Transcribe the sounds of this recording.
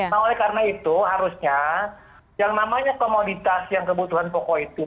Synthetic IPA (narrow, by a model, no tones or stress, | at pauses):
naolɛhkaɾənait̪uɦaɾusɲa | jaŋnamaɲakomodit̪asjaŋkəbut̪uɦanpokɔit̪u